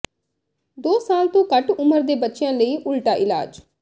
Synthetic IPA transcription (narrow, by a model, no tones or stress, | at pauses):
d̪oːsaːlt̪õːkəʈʊməɾd̪eːbətːʃɪjãːləiːʔʊlʈaːʔɪla̰ːd͡ʒ